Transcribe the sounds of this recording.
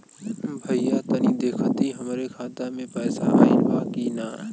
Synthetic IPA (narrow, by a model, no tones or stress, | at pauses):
bʱɐijaːt̪ɐniːd̪eːkʰət̪iɦɐmɾekʰaːt̪amẽpɛːsa̰ilbʱaːkinaː